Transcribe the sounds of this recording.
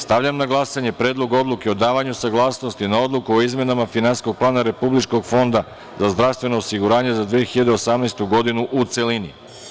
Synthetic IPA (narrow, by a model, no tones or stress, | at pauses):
st̪aʋʎamnaɡlˠasaɲe̞pɾe̞ːd̪lˠo̞ɡo̞d̪lˠukeo̞d̪aːʋaɲusaɡlˠaːsno̞st̪inao̞d̪lˠukuoizme̞namafinansisko̞ɡ̚plˠaːnaɾe̞publit͡ʃko̞ɡfo̞nd̪a | zazd̪ɾafst̪ʋe̞no̞osiɡuɾaːɲe̞zad̪ʋiexiʎad̪eo̞samnest̪uɡo̞d̪inuʔut̪se̞linḭ